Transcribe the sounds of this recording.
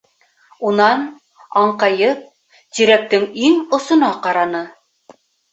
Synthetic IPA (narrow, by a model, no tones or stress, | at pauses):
unɑn | ɑɴqɑjɤp̚ | t̪iɾæk̚t̪ɘŋiŋŏsŏnɑqɑɾɑnɤ